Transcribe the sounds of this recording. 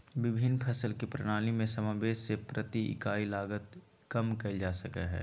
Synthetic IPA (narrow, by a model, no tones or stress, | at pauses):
ʋɪbʱɪnːpʰɐsəlkipɾɐɽ̃aːlimẽsɐmaːʋeːʃsepɾɐt̪iɪ̰kaːilaːɡət̪ | kɐmkɐid͡ʒaːsɐkḛɦɛ̰ː